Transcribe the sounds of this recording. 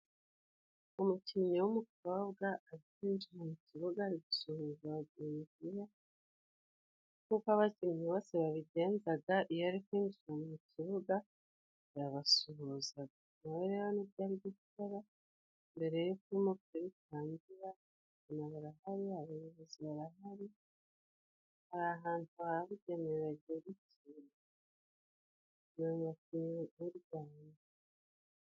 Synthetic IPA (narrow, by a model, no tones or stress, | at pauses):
umuciɲowumukoβɡaːɾikwiːɲd͡ʒiɾamuciβuɡaɾiɡusohuzaβaɟeːɲɟiɾa | kukwaβazimɲiβoseβaβiɟe̞ːnzaɡaʔijoaɾikwiːnd͡ʒiɾamumuciβuɡa | ɾaβasuɦuza | naβeɾeβanibɟaːɾiɟi̥taɾa | mbe̞ɾe̞jukuimobtiɾitaːɲɟiɾa | anaβaɾahaɾihaβijβuziaɾahaɾi | haɾaɦaːntuhaɾaβuɟe̞neɾaɾɟeβit | iːna | noːɲɡakiuɾɡwaːna